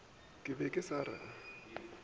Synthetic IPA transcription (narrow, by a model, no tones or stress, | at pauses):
kʼɪbɛkʼɪsaɾa̰a